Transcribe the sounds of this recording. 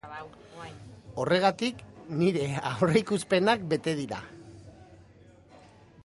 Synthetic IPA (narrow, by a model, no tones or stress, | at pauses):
o̞re̞ɣ̞at̪ikniɾe̞awreikuspe̞nak̚be̞t̪e̞ðiɾa̰